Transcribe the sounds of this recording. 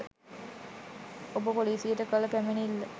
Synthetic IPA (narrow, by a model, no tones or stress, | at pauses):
obəpoliːsijəʈəkəlɐkæmenilːɐ